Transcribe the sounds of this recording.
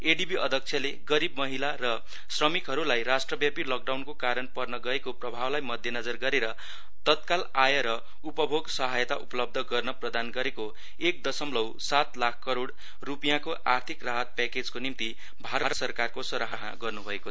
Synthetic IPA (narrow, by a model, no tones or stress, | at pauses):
eɖibiʔʌd̪ʱʌk̚t͡sʰjʌleɡʌɾibmʌɦilarʌ | srʌmikɦʌɾulajrasʈrʌbjapilɔk̚ɖawnkokaɾʌnpʌrnʌɡʌekoprʌbʱawlajmʌd̪ʱjʌnʌd͡zʌrɡʌɾeɾʌ | t̪ʌt̪̚kalajʌɾʌ | upʌbʱoɡsʌɦajʌt̪aʔupʌlʌb̚d̪ʱʌɡʌrnʌprʌd̪anɡʌɾeko | ek̚d̪ʌsʌmlʌwsat̪lakʰkːʌɾoɽ | rupijakoʔart̪ʰikraɦʌt̪̚paked͡zkonimt̪i | bʱaɾʌɾʌsʌrkarkosʌɾaɦaɦɡʌrnubʱʌekoʌ